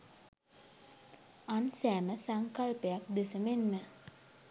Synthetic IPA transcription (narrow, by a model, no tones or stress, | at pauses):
ansæːməsaŋkalpəjak̚d̪esəmenmə